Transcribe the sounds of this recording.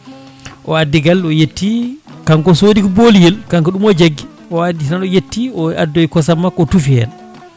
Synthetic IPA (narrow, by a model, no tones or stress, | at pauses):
ʔɔ̰adːiɡalɔjetːikaŋkɔsodikɔbolijɛlkaŋkɔɗumɔd͡ʒaɡːi | ɔwadːitnanɔjetːiɔa̰dːojkɔsamːakːɔtufijɛ̰n